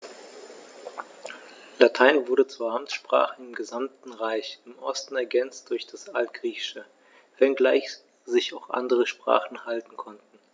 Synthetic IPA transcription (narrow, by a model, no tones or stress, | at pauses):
latʰaɪnvʊɐɾət͡svuːɐhamtʃpʁ̥a̰ːχəɪmɡəzamtn̩ʁaɪçɪmʔɔstn̩ɛɐɡɛnt͡st̚d̥ʊɐçd̥asalt̚ɡ̥ʁiːçɪ̥ʃə | vɛnɡlaɪç | z̥ɪçaʊxʔa̰ndəʁəʃpʁ̥a̰ːχn̩haltn̩kʰɔntn̩